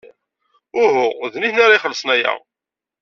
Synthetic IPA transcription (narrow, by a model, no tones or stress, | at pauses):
ʊhʊðniθnaɾaiχəlːəsˤnæjæ̰